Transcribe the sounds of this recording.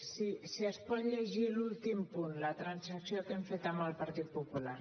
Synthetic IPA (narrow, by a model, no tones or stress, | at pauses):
sisiəspɔt̪ʎeʒilult̪impunlat̪ɾansaksiokeɱfet̪amalpaɾt̪it̪̚pupulaɾ